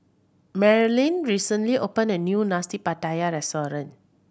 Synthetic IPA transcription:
mɛɹilĩnɹisə̃nliʔopə̃nənjunastipatajaɹɛstɔɹə̃n

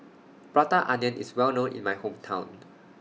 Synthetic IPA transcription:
b̥ɹatəʔaniə̃nʔḭswɛlnõnḭ̃nmajhõmtʰãw̃n

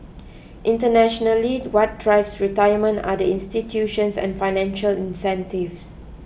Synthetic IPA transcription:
ʔĩntənɛʃɔnəliwɔt̚dɹaɪbsɹitajəmə̃nta̰dəĩnstitʰjuʃə̃nsɛ̰̃nfajnɛ̃nʃəlĩnsɛ̃ntivs

